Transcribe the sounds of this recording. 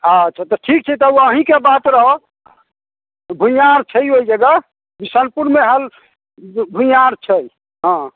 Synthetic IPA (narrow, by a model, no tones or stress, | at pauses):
əətːt͡ʃʰat̪ɔʈʰik̚t͡ʃʰɛt̪ɔəɦĩkebat̪ɾəɦo | bʱũjaɾt͡ʃʰəjojd͡ʒeɡa | bisənpuɾmeɦəl | bʱujaɾt͡ʃʰəj | ɦã